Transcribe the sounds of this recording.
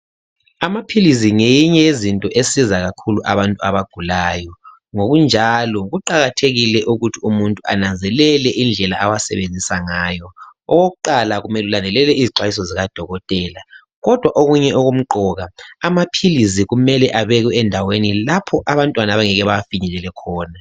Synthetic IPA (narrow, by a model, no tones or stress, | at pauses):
amapʰilisiŋejiɲɛjezintʼɔʔesizaɣakʰuluʔa̰βantʼua̰βaɡ̥ʱulaːjɔ | ŋoɣund͡ʒʱalɔɣuǃaɣatʰeɣilɛʔuɣutʰiumuntʼuʔa̰nand͡zʱɛlɛlɛʔind͡ɮʱɛlaʔawasɛ̰βend͡zʱisaŋaːjɔɔɣoɣuǃalaɣumɛlulandʱɛlɛlɛiziǀwajis̬ɔziɣad̥ʱɔɣɔtʼɛːla | ɣɔd̥ʱwaʔoɣuɲɛɔɣum̩ǃɔɣaamapʰiliziɣumɛlɛʔaβɛɣɛɛndʱawenilapʰɔʔaβantʼwanaβaŋɛɣɛβafiɲɛlɛlɛkʰɔːna